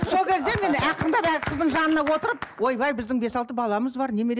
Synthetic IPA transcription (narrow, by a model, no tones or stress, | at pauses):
so̞lˠkʲʰe̞zd̪e̞me̞næqʰːənd̪ɑpækʲɪqʰəzd̪əɴʒɑnənɑwo̞t̪əɾəp̚wojbɑjbɪzd̪ɪŋbe̞sɑlˠt̪əbɑlˠɑməzbɑɾne̞meɾ